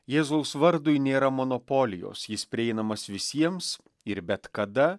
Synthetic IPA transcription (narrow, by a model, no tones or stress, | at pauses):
jeːzɐʊsʋɐɾd̪ʊɪnʲeːɾɐmonoːpoːlʲɪjo̰ːsjɪspʲɾʲɪɛɪnɐmɐsʋʲɪsʲiɛms | ɪɾbʲɛt̪kɐd̪ɐ